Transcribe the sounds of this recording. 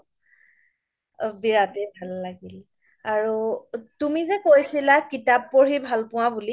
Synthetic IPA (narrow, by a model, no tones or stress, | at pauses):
biɹatɛbʱalːaɡil | aɹutumizɛkojsilakitapːɔɹɦejbʱalpʊwabuli